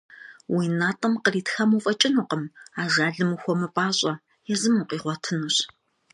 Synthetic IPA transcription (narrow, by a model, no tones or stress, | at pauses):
wiːnaːtʼɐmqəriːtxɐmuːfʼɐt͡ʃʼɪnuqəmaːʒaːɮɨmuxʷɔmɨpʼaːɕʼɐ | jɛzɨmuqʼiːʁʷɔtʰɨnuɕ